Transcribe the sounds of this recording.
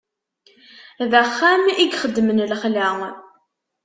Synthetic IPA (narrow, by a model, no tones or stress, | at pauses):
ðæχːamiɡχəd̪ːmənlχlæŋ